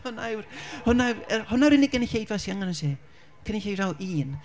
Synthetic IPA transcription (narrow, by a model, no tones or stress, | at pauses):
hʊnawrhʊnaəhʊnawɾinɪɡəniçejdvasiaŋanəsi | kʰəniçejdawʔiːn